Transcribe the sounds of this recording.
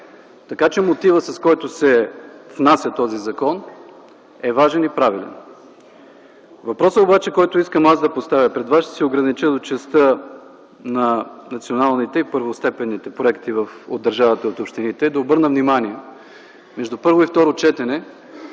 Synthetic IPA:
t̪ɐkat͡ʃɛmot̪ivəsɐskɔjt̪ʊsɛvnasʲjət̪ɔzizɐkɔn | ɛvaʒɛnipɾavilɛ̰n | vɐpɾɔsəobat͡ʃɛkɔjt̪ʊiskəmazd̪ɐpost̪avʲjəpɾɛd̪vasʃt̪ɛ̥sɛoɡɾɐnit͡ʃəd̪ot͡ʃɛst̪ɤ | nɐnɐt̪sionalˠnit̪ɛipɤɾvost̪ɛpɛnːit̪ɛpɾoɛkt̪ivəfo̰d̪ːɐɾʒavɐt̪ɐot̪opʃt̪init̪ɛːd̪ɐobɤɾnəvnimaniɛ | mɛʒd̪upɤɾvoift̪ɔɾot͡ʃɛt̪ɛnɛ

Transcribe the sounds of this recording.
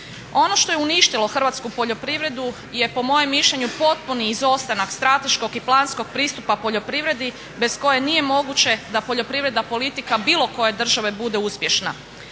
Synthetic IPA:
o̞no̞ʃt̪o̞jeuniʃt̪ilo̞xr̩ʋat̪skupo̞ʎo̞pɾiʋɾe̞d̪u | je̞po̞mo̞jemːiʃʎeɲupo̞t̪̚puniːzo̞st̪anakst̪ɾat̪e̞ʃko̞ɡiplˠaːnsko̞ɡ̚pɾiːst̪upapo̞ʎo̞pɾiʋɾe̞d̪i | be̞sko̞je̞nije̞mo̞ɡut͡ɕe̞d̪apo̞ʎo̞pɾiʋɾe̞d̪apo̞lit̪ikabiːlˠo̞ko̞je̞d̪r̩ʒaʋe̞bud̪euspje̞ʃna̰

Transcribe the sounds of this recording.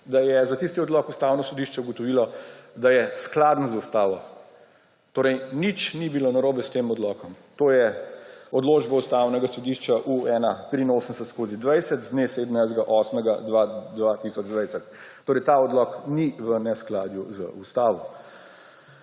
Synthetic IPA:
d̪ajɛzat̪ist̪iɔd̪lɔkust̪awnɔsɔd̪iʃt͡ʃɛuɡɔt̪ɔʋiːlɔd̪ajɛsklad̪nɔzaust̪aːʋɔ | t̪oːɾɛjnit͡ʃnibilonɐɾoːbɛst̪eːmɔd̪lɔkɔmt̪oːjɛɔd̪loːd͡ʒbɔust̪awnɛɡasɔd̪iʃt͡ʃaʔuɛːnat̪ɾiːnoːsənsɛt̪skoːzid̪ʋɛjsɛt̪zd̪neseːd̪mnajzɡaʔɔːsmɛɡad̪ʋad̪ʋat̪isɔd͡ʒd̪ʋɛjsɛt̪ː | oːɾɛjt̪aɔd̪lɔkniʋənɛsklaːd̪juzə̰ust̪aːʋɔ

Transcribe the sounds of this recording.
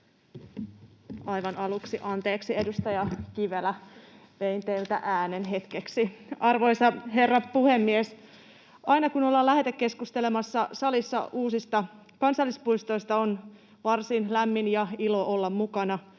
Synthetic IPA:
ɑjʋɑnɑluksiʔɑnt̪e̞ːksie̞dust̪ɑjɑkiʋelæ | ʋeint̪eilt̪æ̰ʔæːnenɦe̞t̪keksiɑrʋo̞jsɑɦe̞rːɑpuhe̞mːies | ʔɑinɑkunolːɑlæɦet̪ekːe̞skust̪elemɑsːɑsɑlisːɑ̰uːsist̪ɑ | kɑnsɑlːispuist̪ojst̪ɑon | ʋɑrsinlæmːinjɑilo̞olːɑmːukɑnɑ

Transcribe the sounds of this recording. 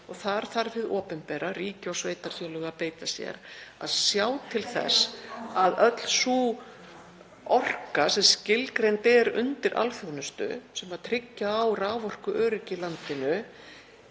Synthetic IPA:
ɔɣθaɾ̥θaɾfɪðɔːpɛnpɛːɾariːcɪɔsveːjt̪aɾ̥θjœwlœɣapeːjt̪asjɛ̰ɾa̰ðsjaːwt̪ʰɪlθɛ̰saðœt̪l̥su | ɔr̥kasɛmscɪlkɾejnt̪ɛɾʏ̰nt̪ɪɾʔa̰lfjɔɣnʏst̪ʏ̰sɛmaðt̪ʰɾɪcːaːwraːvɔr̥kʏʔœːɾɪcɪlant̪ɪnʏ

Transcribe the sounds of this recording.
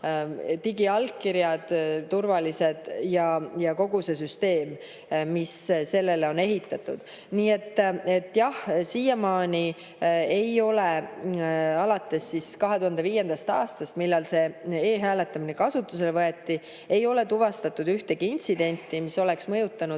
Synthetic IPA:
t̪iɡiɑlkkːiɾjɑd̪̥t̪urvɑlise̞d̪̥jɑjɑko̞ɡuse̞syst̪e̞ːmː | isse̞lːe̞leo̞ne̞ɦit̪ːˑɑt̪ːˑṵd̪̥ | niːe̞t̪ːˑe̞t̪ːˑjɑhsiːjɑmɑːnʲi | e̞jo̞le | ɑlɑt̪ːˑe̞sːiskɑɦe̞t̪uhɑnd̪e̞viːje̞nd̪̥ɑst̪ɑːst̪ɑst̪milːɑlse̞eːɦæːle̞t̪ːˑɑminekɑsut̪ːˑuse̞levɤe̞t̪ːi | e̞jo̞le̞t̪uvɑst̪ɑt̪ːˑud̪yht̪e̞ɡ̥iinʲt̪sid̪̥e̞nʲt̪ːimiso̞le̞ksmɤjut̪ːˑɑnud̪

